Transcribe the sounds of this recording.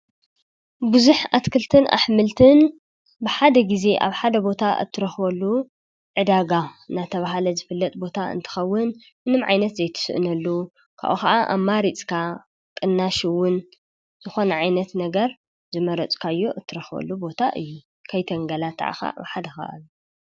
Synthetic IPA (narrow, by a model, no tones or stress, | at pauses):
bɨzuħat̪kʰɨlt̪ʰɨnʔa̰ħmɨlt̪ʰɨn | bɨħad̪ɐɡize̞ʔa̰βħad̪ɐbo̞t̪ʰaʔɨ̰t̪ʰːɨɾɐxbɐlːu | ʕɨd̪aɡaɨnat̪ʰɐβaɦalɐzɨfɨlːɐt̪̚ʼbo̞t̪ʰaɨ̰nt̪ʰɨ̥xɐwːɨn | mɨnɨmʕa̰jnɐt̪zɐjt̪ʰɨ̥sɨʔɨnɐlːu | kʰa̰ʔuxkɐʔaʔa̰βmaɾit͡sʼkʰa | kʼɨnːaʃiwʊn | z̥ɨxo̞nɐʕajnɐt̪nɐɡɐɾ | zɨmɐɾɐt͡sʼkʰajːoʔɨt̪ʰːɨɾɐxbɐ̰lːubo̞t̪ʰaʔɨ̰jːu | kʰajt̪ʰɐŋɡɐlat̪ʰːa̰ʕa̰xa̰ʔa̰βħad̪ɐxɐ̰ʔa̰lu